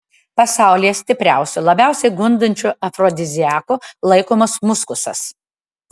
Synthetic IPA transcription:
pɐsɑˑʊlʲijɛsʲt̪ʲɪpʲɾʲæˑʊsʲʊlˠɐbʲæˑʊsʲɛɪɡʊnd̪ɐnʲt͡ʃʲʊɐfɾɔd̪ʲɪzʲɪæːkʊlˠɐɪkoːmɐsmʊskʊsɐ̰s

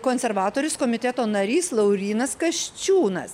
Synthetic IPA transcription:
koːnʲsʲɛɾʋɑːt̪oːɾʲʊskoːmʲɪt̪ʲɛt̪oːnɐɾʲiːslˠɐʊɾʲiːnɐskɐʃʲt͡ʃʲuːnɐs

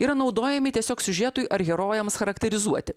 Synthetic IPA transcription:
iːɾɐnɒʊd̪oːjɛmʲɪt̪ʲiɛsʲoːksʲʊʒʲiːt̪ʊjʔɐɾɣʲɛɾoːjɛmsxɐɾɐkt̪ʲɛɾʲɪzuɔt̪ʲɪ

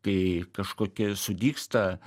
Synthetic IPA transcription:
kɐɪkɐʃkoːkʲɪsʊd̪ʲiːkst̪ɐ

